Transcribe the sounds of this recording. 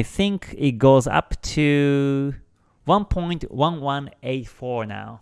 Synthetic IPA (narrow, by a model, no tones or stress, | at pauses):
ɪθɪ̃ŋkʰɪt̚ɡoʊzʌ̰ptʰʉ | wʌ̃npʰɔ̃ɪ̃ntwʌ̃nwʌ̃neɪtfɔɹna̰ʊ